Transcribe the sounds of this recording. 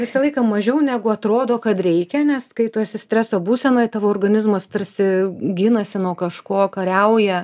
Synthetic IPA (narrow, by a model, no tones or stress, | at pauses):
ʋʲɪsɐlˠɐɪkɑːmɐʒʲɛʊnʲæːɡʊɐt̪ɾoːd̪oːkɐt̪ɾʲɛɪkʲɛnʲɛskɐɪt̪uːsʲɪsʲt̪ʲɾʲæːsoːbuːsʲɛnoːjt̪ɑːʋoːrɡɐnʲɪzmɐst̪ɐrʲsʲɪɡʲɪnɐsʲɪnuɔkɐʃkoːkɐɾʲɛʊjɛ